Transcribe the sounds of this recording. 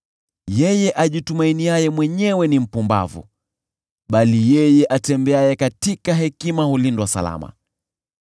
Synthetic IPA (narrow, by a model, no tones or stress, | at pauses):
jɛjɛʔaʄitumainiajɛmwɛɲɛwɛnim̩pumba̰vṵ | ɓalijɛjɛʔatɛmbɛajɛkatikaɦɛkimahulindwasa̰la̰ma̰